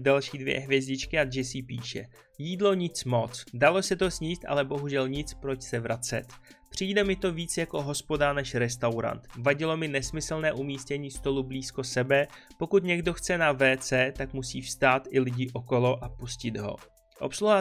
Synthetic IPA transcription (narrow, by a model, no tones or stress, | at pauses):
dalʃiːdvjɛ̰ɦvjɛzɟɪt͡ʃkɪaʒɛsipiːʃɛ̰ | jiːdlo̞ɲɪt͡smo̞t͡sdalo̞sɛt̪o̞sɲiːst̪ʔa̰lɛbo̞ɦuʒɛlɲɪt͡spɾo̞t͡ʃsɛvɾat͡sɛ̰t̪pr̝̥iːdɛmɪt̪o̞viːt͡sjako̞ɦo̞spo̞danɛʃɾɛst̪awɾa̰nt̪vaɟɪlo̞mɪnɛsmɪsl̩nɛːʔumiːscɛɲiːst̪o̞lubliːsko̞sɛbɛpo̞kut̪ɲɛɡdo̞xt͡sɛnavɛːt͡sɛːt̪akmusiːfst̪aːt̪ɪlɪɟɪʔo̞ko̞lo̞ʔapuscɪd̪ɦo̞̰ | ʔo̞̰psluva